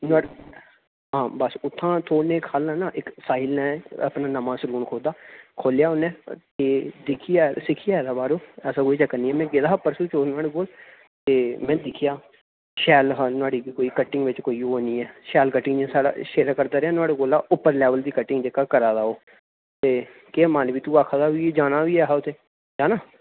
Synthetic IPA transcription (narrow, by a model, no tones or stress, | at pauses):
nʊaːɽ | ɦãːbəsʊt̪ʰːãːt̪ʰoːnẽːkʰːaːlnãːnãːʔɪksaːɪlnɛ̃ːə̰pnãːnəmãːsəluːnkʰoːd̪aːkʰoːljaːonɛ̃ːt̪eːd̪ɪkʰɪjaːsɪkʰɪjaːɛd̪aːbaːɾoːɛːsãːkoːiːt͡ʃəkːəniːɛːmɛ̃ːɡɪd̪aːpəɾsuːt͡ʃoːɾnʊaːɽeːɡoːl | t̪eːmɛ̃ːd̪ɪkʰɪjaː | ʃɛːlɦanʊaːɽiːkoːiːkəʈɪ̃ŋɡʋɪt͡ʃkoːiːoːnĩːɛːʃɛːlkəʈːɪ̃ŋd͡ʒẽsaːɽa̰ːʃeːɾkəɾd̪aːɾeaːnʊaːɽeːkoːlaːʔʊpːəɾlɛːʋəld̪iːkəʈːɪ̃ŋɡd͡ʒekaːkəɾaːd̪aːoː | t̪eː | kemaːnbiːt̪uːaːkʰad̪aːɦied͡ʒaːnaːɦiːɛːɦaːʊt̪ʰeː | d͡ʒaːnaː